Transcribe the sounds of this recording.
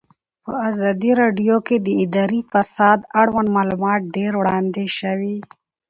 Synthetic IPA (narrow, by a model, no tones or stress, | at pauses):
pə̰azɑd̪iɾɑɖijoked̪əɪd̪aːɾifasɑːd̪aɽwanmɑlumɑːt̪̚ɖeɾwɽɑnd̪eʃawi